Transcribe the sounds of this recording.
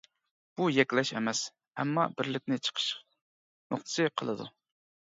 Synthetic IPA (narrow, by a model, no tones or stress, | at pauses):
b̥ujɛkʲlɛʃɛ̰mɛs | ɛ̰mːɑ̰bɪɾlɪkʲnɪt͡ʃʰə̥qʰə̥ʃ | mʊχt̪ʰɨ̥sɨqʰəlˠɨd̪u